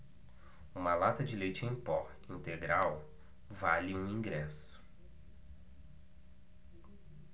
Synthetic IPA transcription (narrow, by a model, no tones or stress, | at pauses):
ũmɐlat̪ɐd͡ʒɪlejt͡ʃɪẽj̃pɔ | ĩnt̪eɡɾaw | valɪũĩŋɡɾɛs | ʊ̥